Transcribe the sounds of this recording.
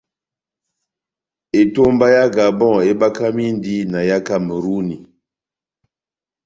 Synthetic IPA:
e˨to˦m˦ba˦ja˦ɡa˨bɔ̃˦˨e˦ba˦ka˦mi˦n˦di˦na˨ja˦ka˦mə˨ɾu˦ni˨

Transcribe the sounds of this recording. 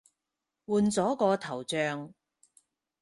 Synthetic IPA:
wuː˨nt͡sɔː˨˥kɔː˧t̪ʰɐ˨˩wt͡ʃœː˨˧ŋ

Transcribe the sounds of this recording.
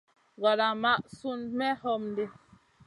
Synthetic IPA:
ɣa˨la˨ma˦˨ʔsu˦nmɛ˦hɔ˦˨mnde˦

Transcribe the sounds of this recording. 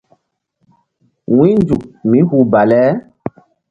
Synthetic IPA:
wĩ˦nd͡ʒu˨k̚mĩ˨˦hu˨ba˨lɛ˦

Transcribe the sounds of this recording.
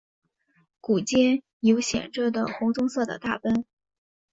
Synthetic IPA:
ku˨˩t͡ɕjɛ˥ | jo˧˥ʊɕjɛ̰˨˩nʈ͡ʂɤ˥d̪ə˨˩xʊ˧˥ŋt͡sʊ˥ŋsɤ˥˩d̪ə̰˩t̪a˥˩pə˥n

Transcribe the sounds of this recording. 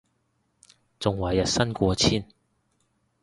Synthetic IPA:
t͡sʊ˨˩ŋwɐ˨˩jɐ˨t̚sɐ˥nkʷɔː˧t͡sʰiː˥˩n

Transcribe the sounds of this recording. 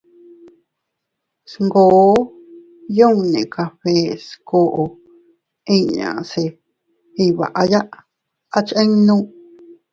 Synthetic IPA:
sŋɡoː˨˦ | jõ˦˧nḛ̃˨ka˧ɸe˦sko˧ʔo˧ | ĩ˦ɲã̰˨se˧˨ | i˧βa̰˨ʔa˧ja˦ʔ | a˦t͡ʃẽ˦ŋnũ˦

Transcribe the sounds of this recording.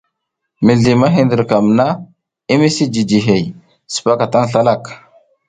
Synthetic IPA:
mi˨ɮi˨ma˦ɦi˨ndə˨ɾka˨mna˦ | i˦mi˦si˦d͡ʒi˨d͡ʒi˨ɦe˨j | su̥˨pa˦ka˨ta˦ŋɬa˦la˦˨k

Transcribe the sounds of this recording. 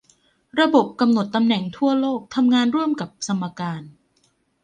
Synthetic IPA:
ɾa˧bo˨˩p̚ka˧mno˨˩t̪ːa˧mnɛ˨˩ŋt̪ʰu˥˩ɐloː˥˩k̚t̪ʰa˧mŋaː˧nɾu˥˩əmka˨˩p̚sʰa˧mːa˧kaː˧n

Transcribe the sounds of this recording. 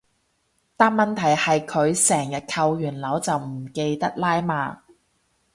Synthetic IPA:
t̪aː˧˥mɐ˨nt̪ʰɐ˨˩jhɐ˨jkʰɵ˨˧ɥsɛː˨˩ŋjɐ˨t̚kʰɐ˧wjyː˨˩nlɐ˨˧˥wt͡sɐ˨wm̩˨˩ke˧jt̪ɐ˥k̚laː˥jmaː˨˧

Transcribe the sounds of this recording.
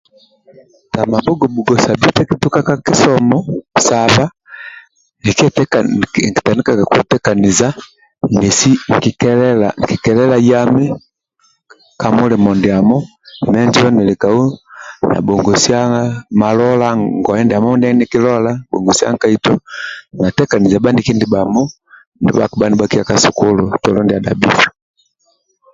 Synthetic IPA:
ta˨ma˨bɔ˦ɡɔ˨bu˨ɡɔ˨sa˨bi˦tɛ˦ki˦tu˦ka˦ka˦ki˦sɔmɔ˦sa˨βa˦ | ni˨kɛtkki̥˨ta˨ni˦kaka˨kwu˦tɛka˨ni˨za˦ | nɛ˨si˦ŋ˨ki˨kɛɛlaŋki˨kɛ˨lɛ˦la˦ja˦mɛ˦ | ka˨mu˦lɛ˨mɔ˨ndɛ˨a˨mɔ˦ | mɛ˦nd͡ʒɔ˦nɛ˨li˨ka˨u˦na̰˨bɔ˨ŋɡɔ˨si˦a˦ŋɡa˦ma˨lɔ˦la˦ŋɡɔ˨ɛ˦ndɛ˨a˨mɔ˦ndi˦a˦ni˦ki˦lɔ˦la˦bɔ̰˨ŋɡɔ˨si˦a̰˦ŋka˦i˦tɔ˦na˨tɛ˦ka˨ni˨za˨ba˦ndi˨ki˦ndi˨ba˨mɔ˦ | ndɛ̰˨˦ba˨ku˨ba˦ni˦ba˦ki˦a˨ka˨su˨ku˦lu˨tɔ˨lɔ˦ndi˨a˨da̰˨bi˦fu̥˨

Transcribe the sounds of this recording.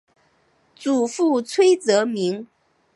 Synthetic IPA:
t͡su˨˩fu˥˩t͡sʰwe˥ɪt͡sɤ˧˥mi˧˥ŋ

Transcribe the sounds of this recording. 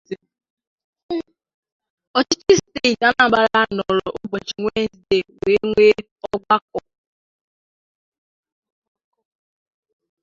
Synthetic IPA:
ɔ˨t͡ʃi˦t͡ʃi˦ste˦i˨ta˦na˦˨ba˦ɾa˦nɔ˨ɾɔ˨ʔʊ˦bɔ˨t͡ʃi˨ŋʷe˦zi˨de˨we˨˦ŋʷe˦ | ɔ˦ɡʷa˦k̚ɔ˨

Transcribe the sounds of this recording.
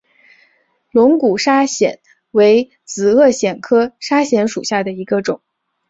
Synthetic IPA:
lʊ˧˥ŋku˨˩ʂa˥ɕjɛ̰˨˩˦n | we˧˥ɪ | t͡sɹ̩˨˩ɤ˥˩ɕjɛ˨˩nkʰɤ˥ʂa˥ɕjɛ˧˥nʂṵ˨˩ɕja˥˩d̪ə˩i˧˥ɡə˧ʈ͡ʂʊ˨˩˦ŋ

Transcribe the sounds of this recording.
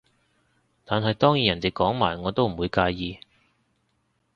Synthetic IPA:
t̪aː˨˧nɦɐ˨jt̪ɔː˥ŋjiː˨˥jɐ˨˩nt̪i˨˩kɔː˨˥ŋmaː˨˩jŋɔː˨˧t̪o˥wm̩˨˩wuː˨˧jkaː˧jjiː˧

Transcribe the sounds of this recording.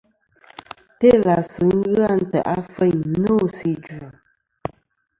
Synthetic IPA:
te˦la˨sɨ˨ŋ̩˦ɣa˦˨n̩˦tə̰˨ʔa˦fə˦˨ɲno˦si˦˨d͡ʒa˨

